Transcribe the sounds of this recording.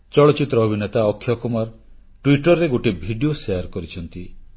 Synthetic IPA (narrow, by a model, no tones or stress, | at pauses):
t͡ʃɔɭɔt͡ʃit̪ɾɔːbʱinet̪aɔkʰːjɔkumaɾ | ʈwiʈɔɾːeɡoʈebʱiɖioseaɾkɔɾit͡ʃʰɔnt̪i